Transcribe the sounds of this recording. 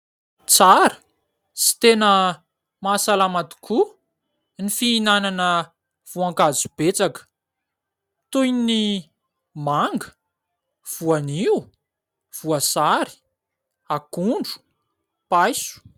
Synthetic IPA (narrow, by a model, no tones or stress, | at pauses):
t͡saɾə̥ | t͡si̥t̪enə | masalamat̪i̥kʰu | nifiːnananə | v̥uaŋkazub̥et͡sakə̥ | t̪ujni | maŋɡə | v̥uaniu | v̥uasaɾi̥ | akuɳɖ͡ʐu̥ | pajsu̥